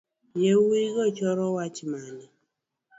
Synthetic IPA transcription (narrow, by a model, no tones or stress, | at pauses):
jewiɣɔt͡ʃɔɾɔwat͡ʃmanɛ